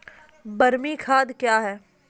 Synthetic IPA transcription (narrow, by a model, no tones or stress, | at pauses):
bɐɾmikʰaːd̪kjaːɦɛː